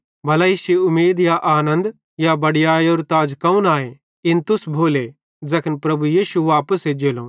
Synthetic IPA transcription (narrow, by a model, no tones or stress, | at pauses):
bɐlaːɪsiʊmeːd̪jaʔaːnə̃nd̪ | jabɐɽɪjaːjoːɾt̪aːd͡ʒkɐũnaːe | ɪnt̪ʊsbʱoːle | d͡zɐkʰənpɾɐbujiːʃuʋaːpəsed͡ʒeːlo̰ː